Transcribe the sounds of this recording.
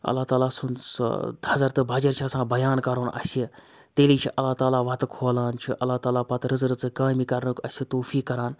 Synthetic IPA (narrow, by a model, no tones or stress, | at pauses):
ɐ̰lːaːt̪aːlaːsunsd̪ʰʱɐzɐɾt̪ɨbʱɐd͡ʒɐɾt͡ʃʰiɐsãːbɐjaːnkɐɾoːnʔɐ̰sʲi | t̪eːliːt͡ʃʰiʔɐlːaːt̪aːlaːʋɐt̪ɐkʰoːlaːnt͡ʃʰiʔɐlːaːt̪aːlaːpɐt̪ɾɨzɾɨt͡sɨkaːmikɐɾnɨkɐsʲit̪oːfiːkːɐɾaːn